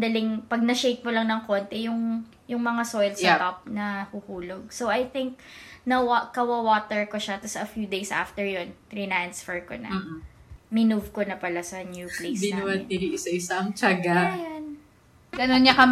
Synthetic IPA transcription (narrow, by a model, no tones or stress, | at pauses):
d̪ɐlɪŋpɐɡ̚nɐʃejk̚mʊlɐŋnɐŋko̞nt̪ɛjʊŋ | jʊŋmɐŋasojlsɐt̪ap̚nɐhuhuːloɡ̚sowɐjθɪŋk̚nɐwakɐwɐwaːt̪ɛɹkoʃɐt̪ɐsɐfjud̪ejsʔa̰ft̪ɛɹjont̪ɾinansfɛɹkonɐ̰ | mɪnuvkonɐpɐlasɐnjuplḛsd̪ɪnnwɐɪɾiʔɪsɐɪsɐŋt͡ʃaɡajon | ɡ̥ɐnonɲɐkɐm